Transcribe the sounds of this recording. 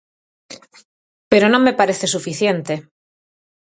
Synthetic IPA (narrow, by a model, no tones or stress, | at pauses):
pe̞ɾonõ̞mːepaɾeθe̞sufiθje̞nt̪e̞